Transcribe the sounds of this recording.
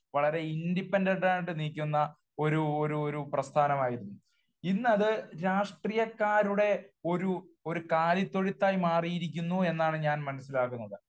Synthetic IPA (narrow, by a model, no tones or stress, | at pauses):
ʋɐɭɐɾe̞inɖipːendeɳɖaːjiʈːɨniːkʲːunːɐ | o̞ɾuoɾuoɾuprɐst̪ʰaːnɐmaːjiɾunːu | inːɐðɨɾaːʂʈriːjɐkːaːɾuɽe̞o̞ɾuo̞ɾukaːlit̪ːo̞ɻit̪ːaːjimaːrijiɾik̬ʲːunːue̞nːaːɳɨɲaːnmɐnɐsːilaːk̬unːɐðɨ